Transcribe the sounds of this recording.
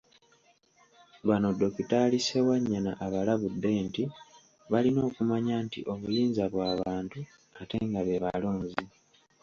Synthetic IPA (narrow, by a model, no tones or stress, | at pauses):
βano̞do̞kitalise̞waɲːana̰ʔaβalaβudːe̞ːnti | βalino̞ːkumaɲaːntḭʔo̞βujiːnzaβwaːβaːntu | ate̞ŋɡaβe̞βalo̞ːɲzi